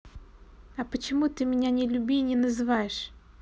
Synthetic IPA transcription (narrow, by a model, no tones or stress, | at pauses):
ɐpət͡ɕɪmut̪ɨmʲɪnʲanʲɪlʲʊbʲinʲɪnəzɨvajɪʂ